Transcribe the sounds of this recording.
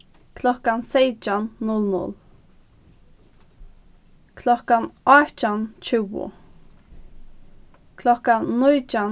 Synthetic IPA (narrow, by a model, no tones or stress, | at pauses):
kʰlɔhkansejt͡ʃanːʊlnʊ̰l | kʰlɔkanaht͡ʃant͡ʃʰɪwʊ̰ | kʰlɔhkanujt͡ʃan